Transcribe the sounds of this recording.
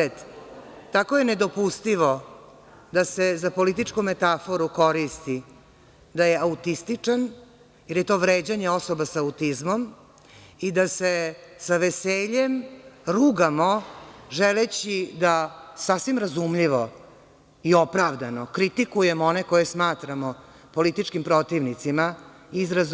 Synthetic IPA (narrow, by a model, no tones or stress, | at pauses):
t̪ | t̪akojened̪o̞pust̪iʋo | d̪asezapolit̪̬it͡ʂkumet̪afoɾuko̞ɾist̪i | d̪ajeaut̪ist̪it͡ʂan | jiɾjet̪o̞ːʋɾeːd͡ʑaɲeo̞sobasaut̪izmom | id̪asesaʋeseːʎemɾuɡamoʒelet͡ɕid̪asasʋimɾazumʎiʋo | io̞pɾaʋd̪anokɾit̪ikujemoneko̞jesmaːt̪ɾamo | po̞lit̪it͡ʂkimpɾo̞t̪iʋnit̪sima | izɾaz